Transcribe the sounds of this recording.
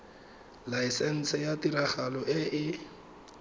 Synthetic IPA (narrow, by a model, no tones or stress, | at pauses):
laisɛn̩sɛjatiɾaχalɔʔɪʔɪ